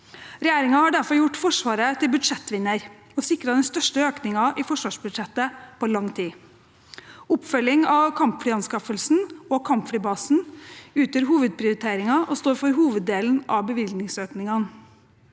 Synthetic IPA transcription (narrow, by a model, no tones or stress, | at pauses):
ɾɛjæːɾɪŋɑhɑɖæɾfɔɾjʊʈfɔʂʋɑːɾət̪ʰɪlbʉd̪ʂɛt̪ːʋɪnːəɾ | ɔsɪkɾɑd̪ɛnst̪œʂʈəøːknɪŋɑʔɪfɔʂʋɑːʂbʉd̪ʂɛt̪ːəpʰɔlɑŋːt̪ʰiː | ʊpfœljɪŋɑʋkʰɑmpfɽiːɑnskɑfəlsn̩ɔːkʰɑmpfɽiːbɑːsn̩ʉːt̪əɾɦuːʋəd̪̚pʰɾɪʊɾɪt̪ʰeːɾɪŋɑʔɔst̪oːɾfɔɾɦuːʋəd̪eːln̩ʔɑ̰ʋbəʋɪlnɪŋsøːknɪŋɑn